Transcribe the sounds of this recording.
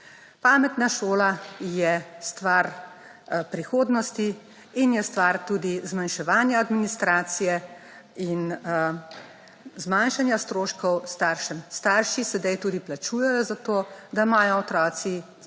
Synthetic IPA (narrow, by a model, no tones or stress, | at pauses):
paːmɛt̪naʃoːlajɛst̪ʋaɾ | pɾixoːd̪nɔst̪iː | njɛst̪ʋaɾt̪uːd̪izmanʃɛʋaːnjaːd̪minist̪ɾaːt̪sijɛ | in | zmanʃanjast̪ɾoːʃkɔwst̪aːɾʃɛmst̪aɾʃisɛd̪ajt̪uːd̪iplat͡ʃuːjɛjɔzat̪oːd̪amaːjɔɔt̪ɾɔːsi